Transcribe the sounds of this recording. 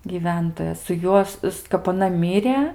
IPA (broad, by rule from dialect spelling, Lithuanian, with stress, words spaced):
ɡʲiːˈʋʲɛntoːjɛ sʊ ˈjuɔs s kɐp ɐˈnɐ ˈmʲiːrʲeː